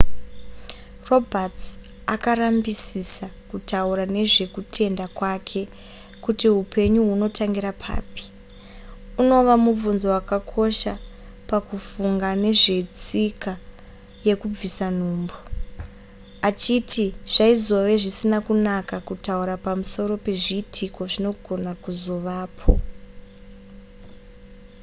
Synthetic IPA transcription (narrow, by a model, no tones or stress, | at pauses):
ro̞bʱat͡s | akarambisisakutauɾane̞ʐe̞kutʰe̞ndakwakʰe̞ | kutiɦupe̞ɲuɦuno̞tʰaŋɡiɾapʰa̰ːpi̥ | uno̞ʋamub͡vunzo̞wakakʰo̞ʃa | pakufuŋɡane̞ʐe̞t͡sika | je̞kub͡visan̤uːmbo | at͡ʃitʰiʐ̥aizo̞ʋe̞ʐisinakunakakutauɾapamuso̞ɾo̞pe̞ʐiːtʰiko̞ʐino̞ɡʱo̞nakuzo̞ʋaːpʰo̞